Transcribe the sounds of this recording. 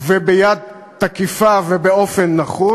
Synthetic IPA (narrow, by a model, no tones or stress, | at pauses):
vebejad̪̚ | t̪akifavebeo̞fenːaχu